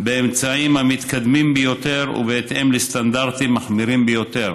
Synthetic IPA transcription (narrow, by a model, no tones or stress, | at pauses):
beemt͡saimhamit̪kad̪mimbejot̪eʁṵbeet̪ʔemlest̪and̪aʁt̪imːaχmiɾimbejot̪e̞ʁ